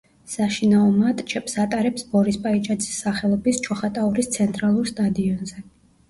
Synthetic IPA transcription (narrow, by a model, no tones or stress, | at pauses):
saʃinaɔmat̪ʼt͡ʃʰɛpsat̪ʼaɾɛpsbɔɾispʼait͡ʃʼad̪zi̥sːaχɛlˠɔbist͡ʃʰɔχat̪ʼauɾist̪sʰɛnt̪ʼɾalˠuɾst̪ʼad̪iɔnzɛ